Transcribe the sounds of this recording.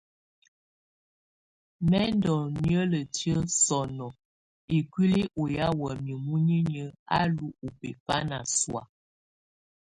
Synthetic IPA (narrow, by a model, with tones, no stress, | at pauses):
mɛ˦ndɔ˨njə˦lə˨ti˦ə˦sɔ˨nɔ˨ | i˨kwi˦li˦ʔo˨ja˦wə˨mjə˨mu˦ɲi˦ɲjə˦a̰˦lu˦u˨pḛ˨fa˦na˨swa̰˨